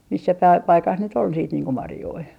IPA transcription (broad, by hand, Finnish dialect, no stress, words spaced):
misːæ pæi pɑikɑs nyt ol siːt niːŋ ko mɑrjoi